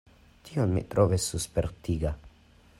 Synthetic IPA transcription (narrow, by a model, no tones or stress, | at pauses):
t̪ionmḭtɾʔovesːuspeɾtiɡa